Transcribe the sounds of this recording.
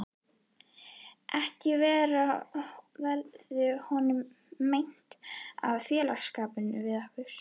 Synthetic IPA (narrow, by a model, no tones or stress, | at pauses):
ʔɛhcɪvɛːɾa | vɛɾðʏhɔnʏmː | ejn̥t̪a̰vθjɛːlaxskaːpʏnʏvɪðahpʏɾ̥